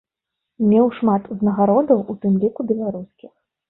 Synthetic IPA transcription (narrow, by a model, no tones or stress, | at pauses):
mʲɛwʂmat̪uznɐɣaɾɔd̪ɐwut̪ɨmlʲikubʲɛlˠaɾuskʲix